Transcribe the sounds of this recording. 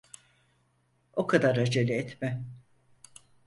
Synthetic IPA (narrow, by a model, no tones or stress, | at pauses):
o̞kʰad̪aɾad͡ʒelʲiɛt̪mɛ